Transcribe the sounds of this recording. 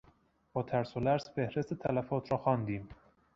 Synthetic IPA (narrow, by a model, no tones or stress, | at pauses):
b̥ɒːt̪ʰæɾsolæɾsfehɾest̪et̪ʰælæfɒːt̪ʰɾɒːxɒːnd̪iːm